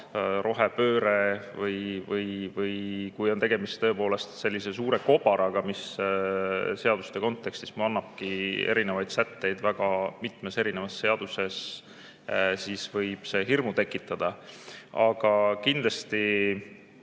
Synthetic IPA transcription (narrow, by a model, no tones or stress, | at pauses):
ɾʔo̞ɦe̞pø̞ːɾe̞vɯjvɯjvɯjkujo̞nt̪e̞ɡe̞mist̪t̪ːɤ̞epo̞ːle̞st̪se̞lʲːise̞s̬uːɾe̞ko̞b̥ɑɾɑɡ̥ɑmis | se̞ɑd̪̥u̥st̪e̞ko̞nt̪ːˑe̞kst̪i̥smuɑnːɑb̥̚kie̞̰ɾinevɑjd̪̥sæt̪ːe̞jd̪̥væɡ̥ɑmit̪ˑmese̞ɾinevɑsːe̞ɑd̪use̞s | siːsvɤjb̥se̞ɦirmut̪e̞kːˑit̪ːˑɑd̪̥ɑɑɡ̥ɑkind̪̥lɑst̪i